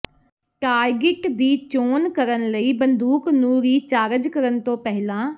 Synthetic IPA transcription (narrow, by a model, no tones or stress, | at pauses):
ʈaːɾɡɪʈd̪iːt͡ʃoːnkəɾənləiːbənd̪uːknũːɾiːt͡ʃaːɾəd͡ʒkəɾənt̪õːpɛɦlãː